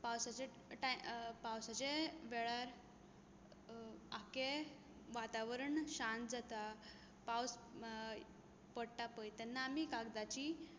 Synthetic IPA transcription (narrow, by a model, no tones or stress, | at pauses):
pawsat͡ɕe | ʈapawsat͡ɕeʋɛɭaɾ | ake | ʋat̪aʋəɾəɳɕãnt̪d͡zat̪a | paws | pəɽʈapəjt̪ɛnːaːmikaɡd̪at͡ɕi